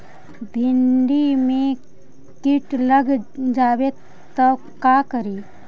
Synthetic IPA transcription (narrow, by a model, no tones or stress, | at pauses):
bʱɪɳɖimẽ | kɪʈləɡd͡ʒaːwe | t̪ə | kakəɾiː